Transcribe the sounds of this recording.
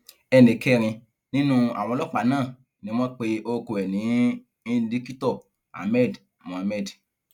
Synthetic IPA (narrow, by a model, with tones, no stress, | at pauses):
ɛ˧nĩ˨kɛ˦˧ɾ̃ĩ˧ | nĩ˦nũ˦a̰˨w̃ɔ̃˧lɔ˦k͡pa˨˦nãː˦˨ | nĩ˨˦w̃ɔ̃˦k͡pe˧ʔo˧ko˧ɛ˨nĩ˨˦ | i˦di˦ki˦tɔ˦˨ | a̰˨mɛ˦˨d | mã˨˧mɛ˦˨d